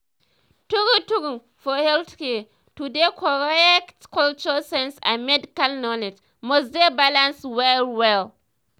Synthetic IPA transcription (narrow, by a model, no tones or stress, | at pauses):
tuɡutuɡum | fɔhɛlθkɛ | tudekʰɔɹɛktkɔlt͡ʃuasɛ̃nsã̰mɛdɪkalnɔlɪd͡ʒ | mosdebalãnswɛwɛl